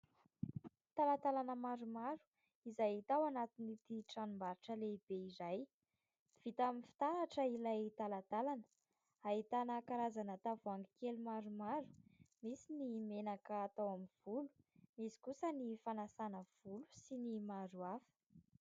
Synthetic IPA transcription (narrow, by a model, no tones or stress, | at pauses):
t̪alat̪alanəmaɾumaɾu̥ | izajt̪awanat̪init̪iʈ͡ʂanumbaɾiʈ͡ʂəleb̥eizaj | v̥it̪aminfi̥t̪aɾaʈ͡ʂəilajt̪alat̪alanə̥ | aɦit̪anakaɾazanat̪avuaŋɡikelumaɾumaɾu̥misinimenakəːt̪awaminv̥ulu̥misi̥kusənifanasanəv̥ulu̥sinimaɾuafə̥